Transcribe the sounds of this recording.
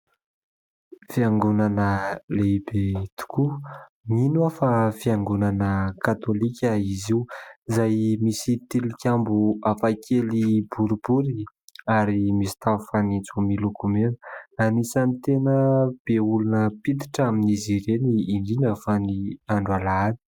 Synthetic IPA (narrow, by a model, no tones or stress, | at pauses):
fiaŋɡunanəlebet̪u̥ku | minuafafiaŋɡunanəkat̪olikʲəiziuzajmisit̪ilikʲambuafakʰelibuɾubuɾi | aɾimisi̥t̪aufanit͡sumilukumenanisanit̪enəb̥eulunəpit̪i̥ʈ͡ʂaminiziɾeniːɳɖ͡ʐinəfaniaɳɖ͡ʐwalaani̥